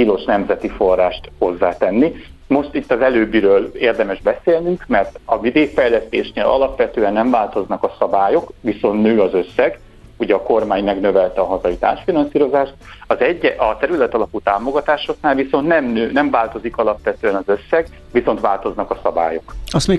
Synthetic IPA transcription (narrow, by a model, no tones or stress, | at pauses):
pilo̞ʃnɛmzɛt̪ifo̞rːaːʃt̪ho̞zːaːt̪ɛnːimo̞ʃt̪it̪ːɒzɛløːbiɾøːleːrd̪ɛmɛʒbɛseːlnyŋkmɛrt̪ɒmid̪eːfɛjlɛst̪ḛːʃnḛːlʔɒ̰lɒpʋɛt̪øːɛnːɛɱvaːlt̪o̞znɒkɒsɒbaːjo̞kʋiso̞nt̪nøːɒzø̞sːɛɡ | uɟɛɒko̞rmaːɲmɛɡnø̞vɛlt̪ɛɒɦɒzɒit̪a̰ːrʃfinɒnsiːɾo̞zaːʃt̪ɒzɛɟːɛʔɒt̪ɛɾylɛt̪ɒlɒput̪aːmo̞ɡɒt̪aːʃo̞knaːlviso̞nt̪nɛmnøːnɛmvaːlt̪o̞zikɒlɒpʋɛt̪øːɛnɒzø̞sːɛɡ | ʋiso̞nt̪ʋaːlt̪o̞znɒkɒsɒba̰ːjo̞kɒst̪me